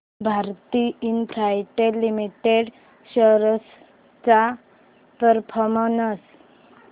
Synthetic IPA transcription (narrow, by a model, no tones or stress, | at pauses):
bʱaɾt̪iinpʰɾajʈelimiʈeɽ | ɕəɾəs | t͡sa | t̪əɾpʰɔmənəs